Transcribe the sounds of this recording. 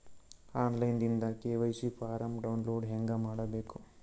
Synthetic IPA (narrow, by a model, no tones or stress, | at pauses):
aːnlɐjnd̪ind̪ɐkeːʋɐjsipʰaːɾɐmɖɐwnloːɖɦeŋɡɐmaːɽɐbeːku